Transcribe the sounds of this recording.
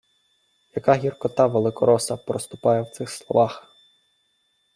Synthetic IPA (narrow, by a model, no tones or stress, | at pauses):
jɐkɑɦʲirkɔt̪ɑʋelˠɪkɔɾɔsɐpɾɔst̪ʊ̥pɑjɛwt̪sɪxslˠɔʋɑx